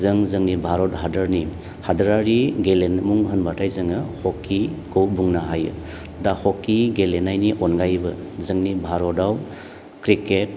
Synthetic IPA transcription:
zɯŋzɯŋnibʱaɾɔt̚ɦadaɾni | hadaɾaɾiɡelenmuŋɦənbʱatʰajzɯŋɯhɔkʰːikʰɯwbuŋnaɦajɯ̰ | dahɔkːiɡelenajniʔɔnɡajbɯzɯŋnibʱaɾɔdaw | kɾiket̚

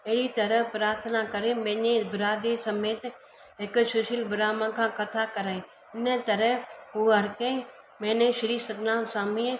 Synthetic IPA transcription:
eɦɽit̪ɐɾəpɾaːɾt̪ʰənakəɾemẽːɲẽbɪɾaːd̪esɐmeːt̪ | ɦɪkʃʊʃɪlbɪɾaːmãkʰãːkɐt̪ʰakəɾaːẽ | ɪnət̪ɐɾəɦuɦɐɾkẽ | mɛ̃ːnẽʃɪɾiːsɐd̪nãːsaːmĩ

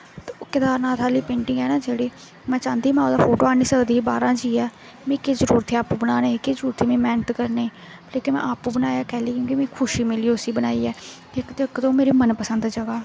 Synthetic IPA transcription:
t̪ːokɪd̪aːɾnaːt̪ʰaːliːpẽːɳʈɪ̃ŋɡɛːnãːd͡ʒeːɽiː | mɛ̃ːt͡ʃãːnd̪iːmɛ̃ːod̪aːpʰoːʈoːaːniːsəkd̪iːbaːɾãːd͡ʒiːɛː | mẽːkeːzəɾuːɾət̪ʰːeːaːpuːbənaːneːkezəɾuːɾət̪ʰːeːmẽːmɛːnət̪kəɾneː | leːkemɛ̰̃ːʔaːpũːbənaːjaːkɛːleːkjõːkimẽːkʰʊʃiːmɪliːʊsiːbənaːiːɛː | ekt̪ːkt̪õːmeːɾeːmənpəsənd̪d͡ʒəɡaː

